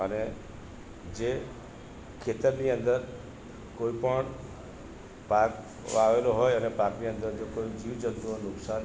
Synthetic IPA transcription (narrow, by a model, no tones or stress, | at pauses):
əne | d͡ʒe | kʰet̪əɾniə̃nd̪əɾ | koipəɳ | pak | aʋeloɦɔjənepakniə̃nd̪ənd̪əɾkoid͡ʒiʋd͡ʒət̪unʊksan